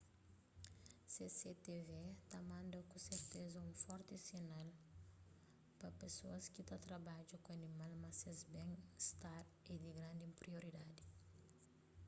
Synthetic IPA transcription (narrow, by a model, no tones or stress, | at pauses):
seset̪evet̪amãnd̪ɐkõseɾt̪ezɐũfɔɾt̪ɪsinal | pɐpesoɐskit̪at̪ɾabad͡ʒukoanimalmasezbẽŋist̪aɾ | ed̪iɡɾãnd̪ĩmpɾioɾid̪ad̪i